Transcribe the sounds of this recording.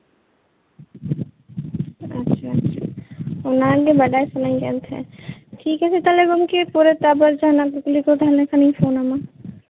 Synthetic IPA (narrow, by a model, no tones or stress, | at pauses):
ɐtːʃʰaɐtːʃʰa̰ʊnãlebɐɖaːesʊnaːĩkeɐ̰̃nt̪ɦɛ̰ːʈʰiːkɦɛset̪ɐleɡʊmkepuːɾet̪abəɾd͡ʒaːnaɡʊklikod̪ʱaːɾnekanɐɦĩfoːnɦama